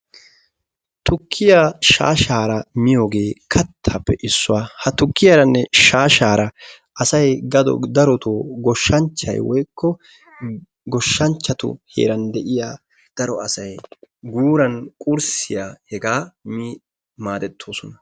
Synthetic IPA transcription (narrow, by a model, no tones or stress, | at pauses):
t̪ʊkʰːɪjaʃa̰ːʃaːɾɐmɪjo̞ːɡe̞ːkʰɐt̪ʰːɐpːɛʔɪsːʊwaːhɐt̪ʊkːɪjɐɾɐnːɛʃaːʃaːɾɐ | ʔɐsɐjɡɐd̪ɔ̰d̪ɐɾɔt̪oːɡɔʃːɐnt͡ʃːɐ̰jwɔjkːɔ | ɡɔʃːɐnt͡ʃːɐt̪ʊ̰hḛːɾɐnd̪ɛʔɪjaː | d̪̥ɐɾɔɐsɐjɡuːɾɐnkʼʊɾsɪjaːhɛɡaːmi | maːd̪ɛt̪ʰːo̞ːsɔnɐ